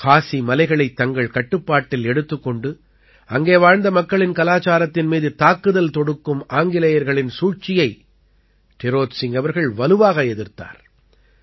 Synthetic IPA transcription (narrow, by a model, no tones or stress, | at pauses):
kaːsimɐlɐɪɣɐɭɐɪt̪ːɐŋɡɐɭkɐʈːɯpːaːʈːɪlɛɽɯt̪ːɯkːɔɳɖɯ | ɐŋɡeːʋaːɻnd̪ɐmɐkːɐɭɪnkɐlaːt͡ʃaːɾɐt̪ːɪnmiːðɯt̪aːkːɯðɐlt̪ɔɽɯkːɯmaːŋɡɪlɐjɐɾɣɐɭɪnsuːt͡ʃɪjɐɪ | ʈ̪ɛɾoːsɪŋɡɐʋɐɾɣɐɭʋɐlɯʋaːɣɐɛðɪɾt̪a̰ːɾ